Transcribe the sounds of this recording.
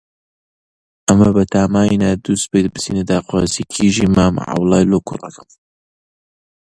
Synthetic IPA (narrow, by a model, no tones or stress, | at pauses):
ʔɐmɐbɐt̪ʰaːmaːinad̪uːs̚beːt̪̚bɨt͡sʰḭːned̪aːqwaːzikʰiʒimaːmʕa̰wlˠɑːjlokʰʊ̰rɐkʰɐm